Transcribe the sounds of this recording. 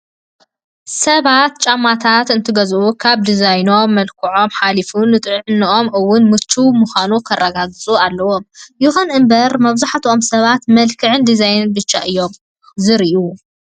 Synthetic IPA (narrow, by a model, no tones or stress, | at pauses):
sɐβat̪̚t͡ʃʼamːat̪ʰat̪ɨnt̪ʰɨɡɐzʔukʰaβd̪izajno̞mːɐlkʰɨʕo̞mħalifunɨt̪ʼɨʕɨnːɨʔo̞mʔɨwːʊnmɨt͡ʃːumuxanukʰɐrːɐɡaɡɨt͡sʼualːɐwomjuxɐnɨmbɐɾmɐβzaħat̪ʰʔomsɐβat̪mɐlkʰɨʕɨnd̪izajnɨnbɨt͡ʃːa̰ʔɨjːo̞m | zɨɾiʔu